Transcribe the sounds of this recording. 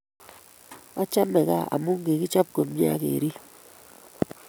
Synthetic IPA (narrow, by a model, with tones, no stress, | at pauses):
ɔ˦t͡ʃa˦mɛ˨ka̰˦˨a̰˨mu˦ŋ˦ɡe˨ki˦t͡ʃɔ˦p̚ko˨mja̰˦kḛ˨ɾi˦